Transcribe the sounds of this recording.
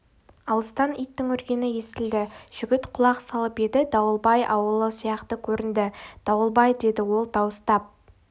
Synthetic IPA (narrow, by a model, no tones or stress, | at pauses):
ɑlˠəst̪ɑnijt̪ːɪŋɵɾɡʲe̞nɪje̞st̪ɪld̪ɪʒ̥ʏɡʲɪt̪qʰʊlˠɑqsɑlˠəpe̞d̪ɪd̪ɑwəlˠbɑjʔɑwəlˠəsijɑqt̪əkʲʰɵɾɪnd̪ɪd̪̥ɑwəlˠbɑjd̪e̞d̪ɪwo̞lˠt̪ʰɑwəst̪ɑp̚